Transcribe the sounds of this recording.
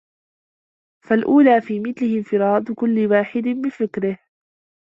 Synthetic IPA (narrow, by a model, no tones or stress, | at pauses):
falʔuːlaːfiːmɪθlɪhɪmfɪɾˤɑːd̪kʊlːɪwaːħɪd̪bɪfɪkɾɪh